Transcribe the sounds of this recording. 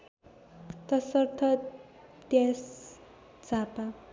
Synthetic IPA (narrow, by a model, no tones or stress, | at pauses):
t̪ʌsʌrt̪ʰʌ | d̪jas | t͡sapa